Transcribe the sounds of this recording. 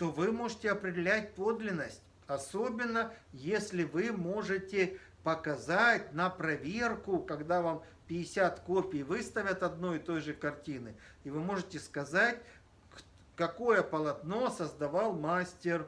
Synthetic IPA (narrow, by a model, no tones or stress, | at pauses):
t̪o̞vɨmo̞ʐɨtʲɪɐpɾʲɪdʲɪlʲæt̚ʲpo̞d̪lʲɪnːəsʲtʲ | ɐso̞bʲɪnːəjesʲlʲɪvɨmo̞ʐɨtʲɪ | pəkɐzatʲnəpɾɐvʲerkʊkɐɡd̪avam | pʲɪɪsʲat̪kopʲɪjvɨst̪ɐvʲət̪ɐd̪̚no̞jɪt̪o̞jʐɨkɐrtʲinɨivɨmo̞ʐɨtʲɪskɐzatʲ | k | kɐko̞jəpəlˠɐt̪no̞səzd̪ɐvalˠmasʲtʲɪr